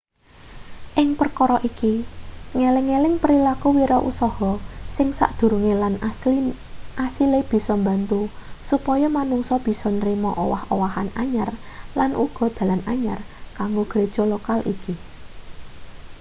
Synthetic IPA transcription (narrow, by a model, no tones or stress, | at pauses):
ʔɪŋpərkɔɾɔʔikiŋelɪŋːelɪŋpəɾilakuwiɾɔʔṵsɔhɔsɪŋsa̰ʔd̪̥ṳɾuŋelani | asileb̥i̤sɔmbant̪usupɔjɔmanuŋsɔb̥i̤sɔnɾimɔʔowahowahanaɲar | lanʔuɡ̥ɔ̤d̪̥ä̤lanaɲarkaŋɡoɡ̥ɾed̥ʒ̥ɔ̤lokalʔḭki